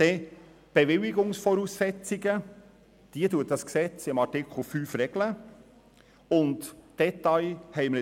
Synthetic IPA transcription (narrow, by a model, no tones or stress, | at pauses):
e | b̥evɪlɪɡʊŋsfɔɾuːssɛt͡sɪɡə | d̥iːətuːət̚d̥ɑsksɛt͡sɪmɑtɪkʰl̩ˠfyːfɾɛɡ̥lə | ʊntd̥ɛt̪ɑɪhɛɪmlɪ